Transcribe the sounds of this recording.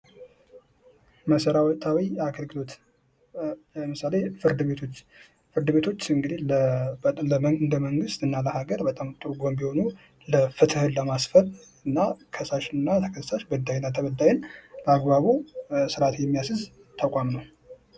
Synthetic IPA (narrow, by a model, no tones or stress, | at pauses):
məsəɾawt̪ʰʼawiaɡəlɡɨlo̞t̪ | ləmɨsale̞fɨɾd̪ɨβet̪ʰot͡ʃː | fɨɾd̪ɨβe̞t̪ʰo̞t͡ʃːɨŋɡɨd̪ihl | ləɨnd̪əməŋɡɨst̪ɨnːaləhaɡəɾbət̪ʼamt̪ʼʰːoɡombiho̞nu | ləfɨt̪ʰɨhɨnləmasfəɾ | ɨnːakʰəsaʃɨnːat̪ʰəkʰəssaʃbəd̪ːajnːat̪ʰəβəd̪ːajɪnləaɡbaβusɨɾat̪jɛmːijasɨz | t̪ʰakʷʼamnəw